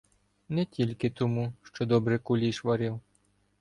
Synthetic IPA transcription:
nɛtʲilʲkɪt̪ɔmuʃt͡ʃɔd̪ɔbɾɛkʊlʲiʃʋɐɾɪw

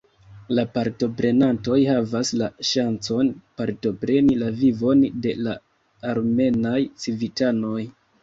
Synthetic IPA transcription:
lapaɾto̞pɾe̞nanto̞jhavaslaʃant͡so̞npaɾto̞pɾe̞nilavivo̞nde̞̰laː | ɾme̞najt͡sivitano̞j

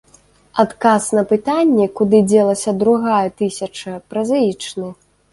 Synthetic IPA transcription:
at̪kasn̪ɐpɨt̪anʲːɛkud̪ɨd͡zʲɛlˠɐsʲɐd̪ɾuɣajɛt̪ɨsʲɐt͡ʂɐpɾɐzajit͡ʂnɨ

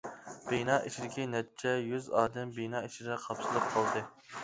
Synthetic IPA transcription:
b̥enɑːʔit͡ʃid̪ɪkʲinɛt̪t͡ʃʰɛjyzɑːd̪ɛmbinɑːiʃid̪ɛqʰɑpsɨlˠɨp̚qʰɑlˠd̪ɨ

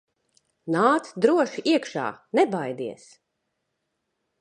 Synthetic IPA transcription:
naːt̪d̪ɾuɔʃiʔiɛkʃa̰ːnɛbajd̪iɛs

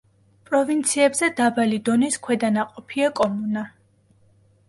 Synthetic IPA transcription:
pʼɾɔvint̪sʰiɛbzɛd̪abalid̪ɔniskʰwɛd̪anaqʼɔpʰiakʼɔmuna

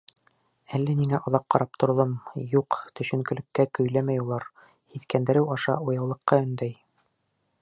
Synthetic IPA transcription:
ælːæmiŋæʔŏðɑqqːɑɾɑp̚t̪ŏɾŏlˠɤmjuqt̪ɵ̆ʃɵ̆ŋkɵ̆lɘ̆kːækɵ̆jlæmæjulˠɑɾ | hiθkænd̪ɘɾɘwɑʃɑʔujɑwlˠɤ̆qːɑɵ̆nd̪æj

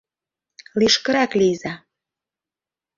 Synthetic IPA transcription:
liʃkə̆ɾɑklijzɑ

